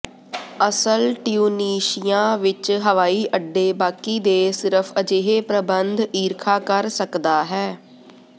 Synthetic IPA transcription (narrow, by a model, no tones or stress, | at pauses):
əsəlʈɪjuːniːʃɪjãːʋɪt͡ʃɦəʋaːiːʔəɖːeːbaːkiːd̪eːsɪɾəpʰəd͡ʒeːɦeːpɾəbənd̪iːɾkʰaːkəɾsəkd̪aːɦɛː